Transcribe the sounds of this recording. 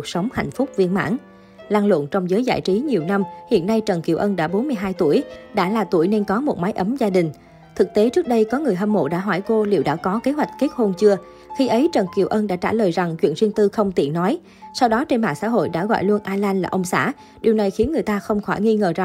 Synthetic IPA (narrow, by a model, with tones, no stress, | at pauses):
k̚sə˨˦wŋ͡mha̰˧˨jŋ̟fʊ˦˥k͡p̚vi˧ənma̰ː˧˥n | laː˧ŋlwə̰˧˨nt͡ɕɔ˧wŋ͡mzəː˨˦jza̰ː˧˨jt͡ɕi˨˦ɲi˨˩əwna˧mhḭ˧˨ənːa˧jt͡ɕə˨˩nki˨˩əwʔə˧nɗa̰ː˧˥ɓo˨˦nmɨ˧əjɦaː˧jt̪u˧˩əjɗa̰ː˧˥laː˨˩t̪u˧˩əjne˧nkɔ˨˦mo˨˩t̚ma˨˦jʔə˨˦mzaː˧ɗï˨˩ŋ̟ | t̪ʰɨ˨˩k̚t̪e˨˦t͡ɕɨ˦˥k̚ɗə˧jkɔ˨˦ŋɨ˨˩əjɦə˧mmo̰˧˨ɗa̰ː˧˥ɦɔ˧˩jko˧lḭ˧˩wɗa̰ː˧˥kɔ˨˦ke˨˦ɦwa˨˩jk̟̚ke˦˥t̚ho˧nt͡ɕɨ˧ə | xi˧ʔə˨˦jt͡ɕə˨˩nki˨˩əwʔə˧nɗa̰ː˧˥t͡ɕa̰ː˧˩ləː˨˩jza˨˩ŋt͡ɕwḭ˧ənzi˧əŋt̪ɨ˧xə˧wŋ͡mt̪ḭ˧˩nɔ˨˦j | sa˧wɗɔ˨˦t͡ɕe˧nma̰ː˧˨ŋsa̰ː˧˥ɦo̰˧˨jɗa̰ː˧˥ɣɔ̰˧˨jlu˧ənʔaː˧laː˧nlaː˨˩ʔə˧wŋ͡msa̰ː˧˥ | ɗi˨˩əwna˨˩jxi˨˦ənŋɨ˨˩əjt̪aː˧xə˧wŋ͡mxɔ˧˩jŋi˧ŋəː˨˩za˨˩ŋ